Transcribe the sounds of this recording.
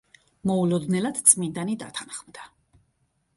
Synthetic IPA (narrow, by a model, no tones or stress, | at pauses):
mɔulɔd̪nɛlad̪̥t̪sʼmind̪anid̪a̰t̪ʰanχmd̪a